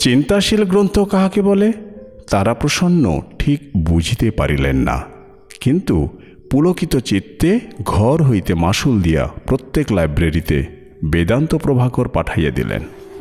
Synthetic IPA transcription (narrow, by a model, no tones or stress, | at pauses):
t͡ɕint̪aʃilɡɾont̪ʰokaɦakebɔlet̪aɾapɾoʃonːo̰ʈʰikbud͡ʑʱit̪epaɾilḛnːa̰ | kint̪u | pulokit̪ot͡ɕit̪ːeɡʱɔɾɦojt̪emaʃuld̪ija̰pɾot̪ːeklajbɾeɾit̪ḛ | bed̪ant̪opɾobʱaɡoɾpaʈʰajad̪ḭlḛn